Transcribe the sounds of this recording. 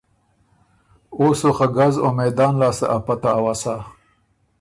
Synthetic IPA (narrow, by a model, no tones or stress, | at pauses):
osoxaɡazomejd̪ɑːnlɑːsa̰ʔapat̪aːwasa